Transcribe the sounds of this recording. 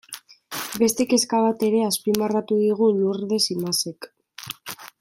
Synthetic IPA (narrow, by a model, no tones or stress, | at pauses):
be̞st̪e̞ke̞skaβat̪e̞ɾe̞aspimarat̪uðiɣ̞uluɾðe̞simase̞k